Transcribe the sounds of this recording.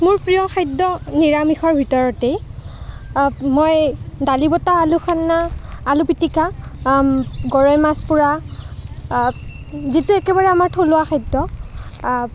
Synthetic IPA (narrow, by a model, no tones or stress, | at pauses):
mʊɹpɹijɔkʰajdɔniɹamixɔɹbʱitɔɹɔtej | mojdalibɔtaːluxʰanːaːlupitika | ɡɔɹɔjmaspʊɹa | zituɛkɛβaɹɛamaɹtʰolʊwaxajdːɔ